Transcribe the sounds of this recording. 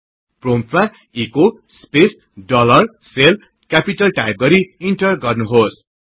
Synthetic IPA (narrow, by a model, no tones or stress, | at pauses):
prompʰma | iko | spes | ɖʌlʌr | sel | kapiʈʌlʈajp̚ɡʌɾiiɳʈʌrɡʌrnuɦos